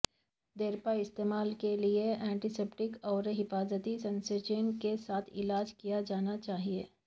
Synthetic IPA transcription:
d̪eːɾpaɪst̪eːmaːlkelieɛ̃ːɳʈiseːpʈɪkɔːɾɦɪfaːzət̪isɐ̃nsɪt͡ʃɪnkesaːt̪ʰɪlaːd͡ʒkijad͡ʒaːnat͡ʃaːɦieː

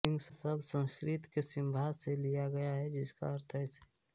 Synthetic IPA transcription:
ɪ̃ŋɡssəd̪sə̃nskɾɪt̪kesɪ̃mbʱaselijaɡɐjaɦɛd͡ʒɪska̰ɐɾt̪ʰəs

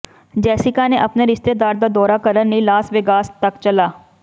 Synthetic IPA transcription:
d͡ʒɛːsɪkaːneʔɐpneɾɪʃt̪eːd̪aːɾd̪aːd̪ɔːɾakəɾənnĩlaːsʋeːɡaːst̪əkt͡ʃəlaː

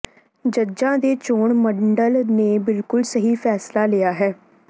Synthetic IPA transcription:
d͡ʒəd͡ʒãːd̪eːt͡ʃoːɳməɳɖəlneːbɪlkʊlsəɦiːpʰɛːslaːlɪjaːɦɛː

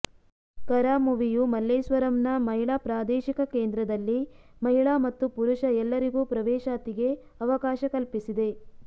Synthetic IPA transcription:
kɐɾaːmuʋijumɐlːejʃʋɐɾɐmnɐmɐɦiɭaːpɾaːd̪ɛːʃikɐkeːnd̪ɾɐd̪ɐlːimɐɦiɭamɐt̪ːupuɾuʃɐɛlːɐɾiɡuːpɾɐʋɛːʃaːt̪iɡe̞ | ɐʋɐkaːʃɐkɐlpisid̪e̞

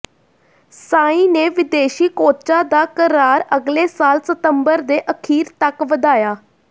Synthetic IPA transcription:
saːĩːneːʋɪd̪eːʃiːkoːt͡ʃaːd̪aːkəɾaːɾəɡleːsaːlsət̪əmbəɾd̪eːʔəkʰiːɾt̪əkʋəd̪aːjaː

